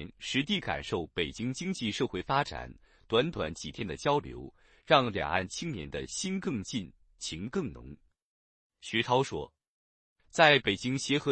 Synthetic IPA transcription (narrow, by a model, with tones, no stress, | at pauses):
ŋʂɻ̩˧˥t̪̬i˥˩ka̰˨˩nʂo˥˩ʊpe˨˩ɪt͡ɕi˥ŋt͡ɕi˥ŋt͡ɕi˥˧ʂɤ˥˧xwe˥˩ɪfa˥ʈ͡ʂa̰˨˩˦n | t̪wa˧˥nt̪wa̰˧˥nt͡ɕi˨˩t̪ʰjɛ˥nd̪ə˨t͡ɕjɑ˥ʊljo̰˧˥ʊ | ɻɑ˥˩ŋljɑ̰˨˩ŋa̰˥˩nt͡ɕʰi˥ŋnjɛ˧˥nd̪ə˧ɕi˥nkɤ˥˧ŋt͡ɕi˥˩˧n | t͡ɕʰi˧˥ŋkɤ˥˩ŋnʊ̰˧˥ŋ | ɕɥɛ˧˥ʈ͡ʂʰɑ˥ʊʂwɔ̰˥ | t͡sa˥˩ɪpe˨˩ɪt͡ɕi˥ŋɕjɛ˧˥xɤ˧˥